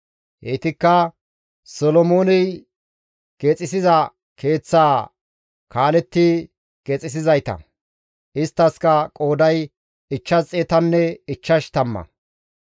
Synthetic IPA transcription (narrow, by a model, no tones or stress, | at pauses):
heːt̪ɪkːɐ | sɔlɔmo̞ːnɛj | ɡ̥eːt͡sʼɪsɪzɐ | kʰe̞ːt͡sːaː | kaːlɛt̪ːɪ | ɡ̥eːt͡sʼːɪs̬ɪzɐjt̪ɐ̰ | ʔɪst̪ːɐskɐkʼo̞ːd̪ɐj | ɪt͡ʃːɐzt͡sʼeːt̪ɐnːɛɪt͡ʃːɐʃt̪ɐmːɐ̰